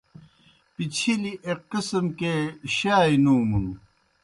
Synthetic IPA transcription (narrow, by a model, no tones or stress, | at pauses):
pit͡ɕʰiliʔeqːisəmkeɕaːinuːmunu